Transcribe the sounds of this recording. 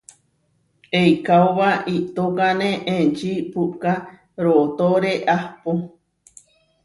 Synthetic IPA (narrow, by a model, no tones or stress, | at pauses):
ejkaoβait̪okanẽʔẽnt͡ʃipuka | ɾoʔt̪oɾeʔahpo